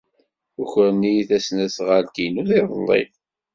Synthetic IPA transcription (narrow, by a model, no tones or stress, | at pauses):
ʊçəɾnijiθæsnæsʁəɾkinuθiðˤlˤːḭ